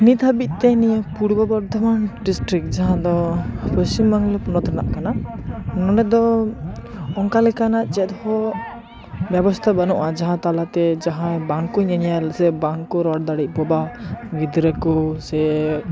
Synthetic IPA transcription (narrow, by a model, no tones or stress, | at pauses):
nit̪ʰabit̪̚t̪ɛniəpuɽbɔbɔɾd̪ʱɔmanɖisʈɾik̚d͡ʒaɦãd̪ɔpəsimːaŋlɛpɔnɔt̪ɾɛna̰ʔkananɔnɛd̪ɔ | ɔŋkalɛkanaʔt͡ʃɛt̪hɔ | bjɛbɔst̪ʰabanuʔad͡ʒaɦãt̪alat̪ɛd͡ʒaɦãbaŋkuɲaɲalsɛbaŋkɔɾɔɽ̚d̪aɽic̚ˀpɔbaɡid̪ɾəkɔsɛ